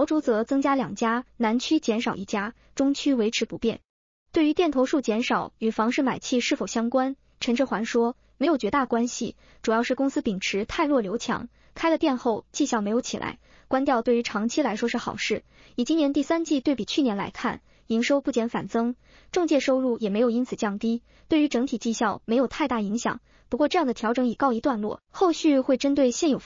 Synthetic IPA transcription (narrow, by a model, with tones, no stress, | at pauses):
ʊʈ͡ʂu˧˥t͡sɤ˧˥t͡sɤ˥ŋt͡ɕja˥ljɑ˨˩ŋt͡ɕja˥na˧˥nt͡ɕʰy˥t͡ɕjɛ˧˥nʂɑ˨˩ʊi˥˩t͡ɕja˥ | ʈ͡ʂʊ˥ŋt͡ɕʰy˥we˧˥ɪʈ͡ʂʰɻ̩˧˥pu˧˥pjɛ̰˥˩n | t̪we˥˩ɪy˧˥t̪jɛ˥˩nt̪ʰo˧˥ʊʂu˥˩t͡ɕjɛ˧˥nʂɑ˨˩˦ʊy˨˩fɑ˧˥ŋʂɻ̩˥˩ma˨˩ɪt͡ɕʰi˥˧ʂɻ̩˥˩fo˨˩ʊɕjɑ˥ŋkwa˥n | ʈ͡ʂʰə˧˥ŋʈ͡ʂ̩˥˩xwa˧˥nʂwɔ˥ | me˧˥ɪjt͡ɕɥɛ˧˥t̪a˥˩kwa˥nɕḭ˨˩ | ʈ͡ʂu˨˩jɑ˥˧ʊʂɻ̩˥˩kʊ˥ŋsɹ̩˥pi˨˩ŋʈ͡ʂʰɻ̩˧˥t̪ʰa˥˧ɪlwɔ˥˩ljo˧˥ʊt͡ɕʰjɑ̰˧˥ŋ | kʰa˥ɪlə˨t̪jɛ˥˧nxo˥˧ʊt͡ɕi˥˩ɕjɑ˥˩ʊme˧˥ɪjo˧˥ʊt͡ɕʰi˨˩la̰˧˥ɪ | kwa˥nt̪jɑ˥˧ʊt̪we˥˩ɪy˧˥ʈ͡ʂʰɑ˧˥ŋt͡ɕʰi˥la˧˥ɪʂwɔ˥ʂɻ̩˥˩xɑ˨˩ʊʂɻ̩˥˩ | i˨˩t͡ɕi˥njɛ˧˥nt̪̬i˥˩sa˥nt͡ɕi˥˧t̪we˥˩ɪpi˨˩t͡ɕʰy˥˩njɛ˧˥nla̰˧˥ɪkʰa̰˥˩n | i˧˥ŋʂo˥ʊpu˥˩t͡ɕjɛ˧˥nfa˨˩nt͡sɤ˥ŋ | ʈ͡ʂɤ˥˧ŋt͡ɕjɛ˥˩ʂo˥ʊɻu˥˩jɛ˨˩me˧˥ɪji˥nt͡sʰɹ̩˨˩t͡ɕjɑ˥˩ŋt̪i˥ | t̪we˥˩ɪy˧˥ʈ͡ʂɤ˧˥ŋt̪ʰi˨˩t͡ɕi˥˧ɕjɑ˥˩ʊme˧˥jo˨˩ʊt̪ʰa˥˧ɪt̪a˥˩i˧˥ŋɕjɑ̰˨˩˦ŋ | pu˧˥kwɔ˥˧ʈ͡ʂɤ˥˧jɑ˥˩ŋd̪ə˩t̪ʰjɑ˧˥ʊʈ͡ʂɤ˧˥ŋi˨˩kɑ˥˩ʊi˧˥t̪wa˥˧nlwɔ̰˥˩xo˥˧ʊɕy˥˧xwe˥˩ɪʈ͡ʂə˥nt̪we˥˧ɪɕjɛ˥˩njo˨˩ʊ